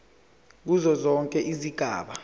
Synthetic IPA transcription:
k̬uzɔzɔŋkʼɛʔiziɡ̥ʱaːɓa

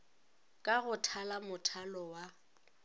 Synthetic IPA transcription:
kʼaɣʊtʰalamʊtʰalɔwa

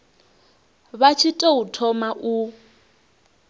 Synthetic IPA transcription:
βat͡ʃʰitʼɛutʰɔmaʔu

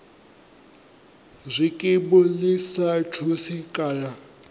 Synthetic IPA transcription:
zʷikʼɪbɔlɪsatʰusikʼaːla

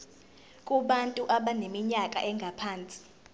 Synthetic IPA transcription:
kʼuɓantʼuʔaɓanemiɲakʼa̰ʔɛŋɡʱapʰaːnt͡sʼi̥

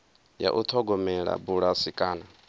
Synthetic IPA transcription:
ja̰ʔut̪ʰɔɡɔmɛɺa̰buɺasikʼaːna

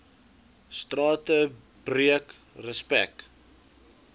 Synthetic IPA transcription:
strɑːtə | b̥riək | rəspæ̰k̚

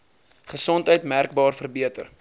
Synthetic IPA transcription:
χəsɔntɦəjtmærk̚bɑːrfərbiətə̰r

